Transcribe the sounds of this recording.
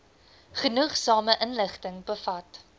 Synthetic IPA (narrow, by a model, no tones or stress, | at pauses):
χənuχsɑːməʔənləχtəŋbəfɐt